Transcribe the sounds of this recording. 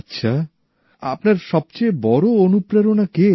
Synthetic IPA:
tːɕʰa | a̰pnaɾʃɔb̚t͡ɕebɔɾoonupɾaɾonake

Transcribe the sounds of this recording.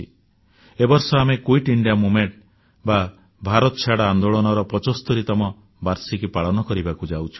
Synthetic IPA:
i | ebɔɾsɔamekuiʈiɳɖijamumeɳʈ | ba | bʱaɾɔt̪ɔt͡ʃʰaɽaand̪oɭɔnɔɾɔpɔt͡ʃɔst̪ɔɾit̪ɔmɔ | baɾsikipaɭɔnɔkɔɾibakud͡ʒawt͡ʃʰu̥

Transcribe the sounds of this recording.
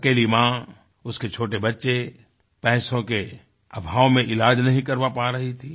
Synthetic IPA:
əkeːlimãː | ʊsket͡ʃʰoːʈebɐtːʃe | pɛːsõke | ɐbʱaːʋomẽʔɪlaːd͡ʒnɐɦĩkɐɾʋapaːɾɐɦit̪ʰiː

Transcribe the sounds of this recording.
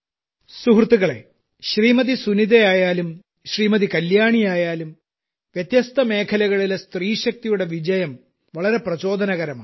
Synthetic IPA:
suɦrt̪ːuɣɐɭe̞̰ | ɕriːmɐðisuniðejaːjaːlum | ɕriːmɐðikɐljaːɳijaːjaːlum | ʋjɐt̪jɐst̪ɐme̞ːkʰɐlɐɣɐɭilest̪riːɕɐk̚t̪ijuɽe̞ʋid͡ʑɐjɐm | ʋɐɭɐɾe̞prɐt͡ɕo̞ːd̪ʱɐnɐɣɐɾɐma̰ː

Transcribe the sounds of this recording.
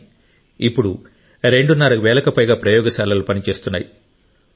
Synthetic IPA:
ipːuɽu | ɾe̞ɳɖunːɐɾɐʋɛːlɐkɐpɐjɡaːpɾɐjɔːɡɐʃaːlɐlupɐnit͡ʃe̞ːst̪unːaːji

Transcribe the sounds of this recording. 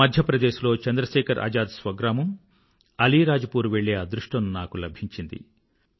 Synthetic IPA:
mɐd̪ʱjɐpɾɐd̪eːʃulo̞ːt͡ʃɐnd̪ɾɐʃɛːkʰɐɾʔɐ̰d͡ʒaːd̪sʋɐɡɾaːmɐm | ɐliːɾaːd͡ʒɐpuːɾuʋeɭːeːaːd̪ɾuʂʈɐnunaːkulɐbʱiɲt͡ʃind̪ḭ

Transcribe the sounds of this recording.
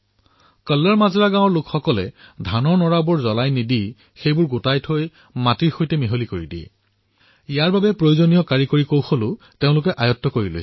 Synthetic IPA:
kəlːəɹmazɔɹaɡãw̃ɔɹlʊkʰxɔkɔlɛ̰dʱanɔɹnɔɹabʊɹzɔlajnidi | xejbʊɹɡʊtajtʰoj | matiɹxojtɛmiɦolikoɹidiɛ̰ | ijaɹbabɛpɹojuzonijɔkaɹikoɹikowxolʊ | teʊ̃lʊkɛʔajɔtːɔkoɹilo̰j

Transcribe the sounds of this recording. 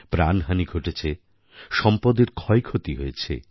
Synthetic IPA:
pɾanɦaniɡʱoʈet͡ɕʰe | ʃɔmpod̪eɾkʰɔekʰot̪iɦojet͡ɕʰḛ

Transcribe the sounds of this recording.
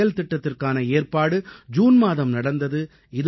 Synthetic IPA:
ɐlt̪ɪʈːɐt̪ːɪrkaːnɐeːrpaːɽɯd͡ʒuːnmaːðɐmnɐɽɐnd̪ɐðɯ | ɪðɯ

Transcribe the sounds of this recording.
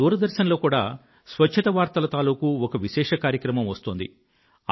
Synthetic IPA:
uːɾɐd̪ɐɾʃɐnɐlo̞ːkuːɽaː | sʋɐt͡ʃt͡ʃʰɐt̪ɐʋaːɾt̪ɐlɐt̪aːluːkuɔkɐʋiʃɛːʂɐkaːɾjɐkɾɐmɐmʋɐst̪oːnd̪ḭ

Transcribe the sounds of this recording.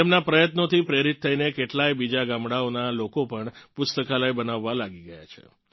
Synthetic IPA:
emnapɾəjət̪not̪ʰipɾeɾit̪ʰːəinekeʈlajbid͡ʒaɡamɽaonalokopəɳpʊst̪əkalajbənaʋːalaɡiɡəja̰t͡ʃʰḛ

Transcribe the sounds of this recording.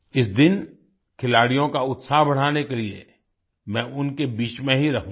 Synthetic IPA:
ɪs̬d̪ɪn | kʰɪlaːɽijõkaʊt̪saːɦbɐɽ̤aːnekelie | mɛ̃ːʔʊnkebiːt͡ʃmẽɦiɾɐɦũː

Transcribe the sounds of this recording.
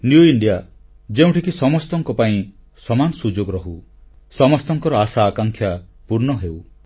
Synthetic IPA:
njuiɳɖija | d͡ʒeũʈʰikisɔmɔst̪ɔŋkɔpaĩ | sɔmanɔsud͡ʒoɡɔɾɔɦu | sɔmɔst̪ɔŋkɔɾɔasaːkaŋkʰjapuɾnɔɦew

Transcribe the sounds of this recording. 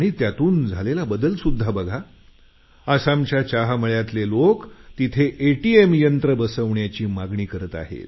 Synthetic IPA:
aɽ̃it̪jat̪uːnd͡zʱalelabəd̪əlsud̪ʱːabəɡʱa | əsamt͡ɕjat͡ɕaɦaməɭjat̪lelokt̪it̪ʰeʔeʈiemjənt̪ɾəbəsəʋɳjat͡ɕiːmaɡɳiːkəɾət̪a̰ɦḛl

